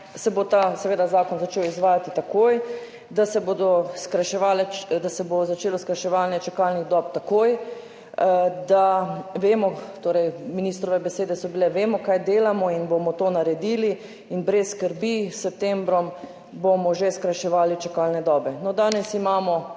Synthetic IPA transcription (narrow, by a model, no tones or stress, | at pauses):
sɛbot̪asɛʋeːd̪azaːkɔnzat͡ʃeːwizʋaːjat̪it̪akoːj | d̪asɛbod̪ɔskɾaʃɛʋaːlɛd̪asɛbozat͡ʃeːlɔskɾaʃɛʋalnjɛt͡ʃɛkalniɣd̪ɔpt̪akoːj | d̪aʋeːmɔt̪oːɾɛjminist̪ɾɔʋɛbɛseːd̪ɛsɔbilɛʋeːmɔkajd̪eːlamɔinbomɔt̪oːnaɾɛd̪iːli | inbɾɛsskəɾbisɛp̚t̪embɾɔm | bomɔʒeskɾajʃɛʋaːlit͡ʃɛkaːlnɛd̪ɔːbɛnɔd̪aːnɛsimaːmɔ